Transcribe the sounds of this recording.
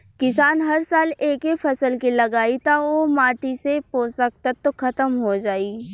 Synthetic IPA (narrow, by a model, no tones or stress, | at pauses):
kɪsaːnɦɐɾsaːleːkefʰɐsəlkilɐɡaːit̪aomaːʈisepoːsək̚t̪at̪ːokʰɐt̪əmɦod͡ʒaːiː